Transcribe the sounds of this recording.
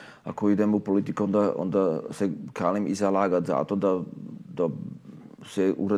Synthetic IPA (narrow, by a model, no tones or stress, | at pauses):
a̰koid̪emupolit̪ikuond̪aʔo̰nd̪asekaːlimḭzalaɡat̪za̰t̪od̪ad̪̥a | sɛʔuɾa